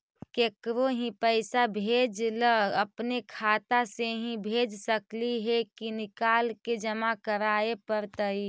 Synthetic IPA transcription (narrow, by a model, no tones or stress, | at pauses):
keːkɾoɦĩpəɪsabʱeːd͡ʒləəpnekʰaːt̪aseɦĩbʱeːd͡ʒsəkliɦekinɪkaːlked͡ʒəmakəɾaːepəɾt̪əi